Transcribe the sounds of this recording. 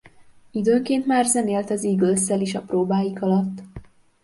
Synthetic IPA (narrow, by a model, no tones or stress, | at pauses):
id̪øːŋkeːnt̪maːrzɛneːlt̪ɒziɡøsːɛliʃɒproːbaːjikɒlɒt̪ː